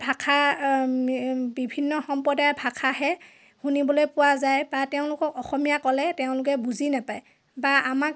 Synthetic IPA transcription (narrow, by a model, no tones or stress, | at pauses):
bʱakʰa | bibʱinːɔxɔmpɔdajbʱakʰaɦɛ | xunibɔlojpʊwazajbateʊ̃lʊkɔkɔxɔmijakɔlɛteʊ̃lʊk̬ɛbuzinapaj | baamak